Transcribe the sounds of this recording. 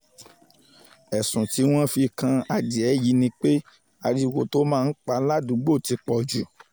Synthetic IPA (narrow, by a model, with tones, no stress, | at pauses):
ɛ˨sũ˨ti˨˦w̃ɔ̃˦fi˧kã˧a˧di˨ɛ˨˦ji˧˦nĩ˧k͡pe˦ | a˧ɾi˧wo˨to˦mãː˦˧n̩˦k͡pa˧la˦dũ˨˦ɡ͡bo˦˨ti˨˧k͡pɔ˨d͡ʒu˨